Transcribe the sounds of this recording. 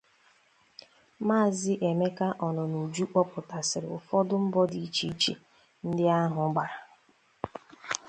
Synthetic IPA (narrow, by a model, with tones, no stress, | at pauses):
maː˦˨zɪ˦ʔe˨me˦ka˦ʔɔ˨nʊ˨nu˨d͡ʒu˦k͡pɔ˦pʊ˨ta˨sɪ˨ɾɪ˨ʊ̰˨fɔ˦dʊ˦m̩˦bɔ˦di˨˦t͡ʃi˨i˦t͡ʃḛ˨ | n̩˦dɪ˦a˦ɦʊ˨˦ɡ͡ba˨ɾa˨